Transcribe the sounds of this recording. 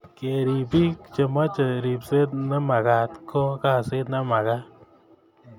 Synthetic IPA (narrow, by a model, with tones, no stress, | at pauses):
ke˨ɾi˨pi˦kt͡ʃe˨ma˦t͡ʃe˨ɾi˨pse˦tna˦ma˨ka˨tkʰo˦ka˧se˦tna˦ma˨ka˦